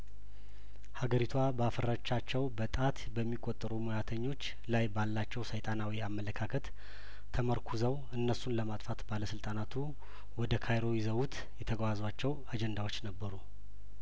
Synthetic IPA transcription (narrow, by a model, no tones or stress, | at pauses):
haɡəɾit̪ʰwabəafəɾat͡ʃːat͡ʃːɛwbət̪ʼat̪bəmːikʼot̪ʼːəɾumujat̪ʰəɲːo̞t͡ʃː | lajbalːat͡ʃːɛwsəjt̪ʼanawiamːələkʰakʰət̪ːʰ | əməɾkʰuzəw | ɨnːəsunləmat̪ʼfat̪baləsɨlt̪ʼanat̪ʰu | wɔd̪əkʰajɾo̞jɛzəwut̪ | jɛt̪ʰəɡwazwat͡ʃːɛwad͡ʒɛnd̪awo̞t͡ʃːnəbːəɾu